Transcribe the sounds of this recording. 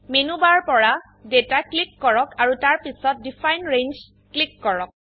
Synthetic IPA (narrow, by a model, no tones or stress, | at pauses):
menubaɹpɔɹa | detaklikːɔɹɔkaɹutaɹpisɔt̚difʰajnɹenz | klikːɔɹɔk̚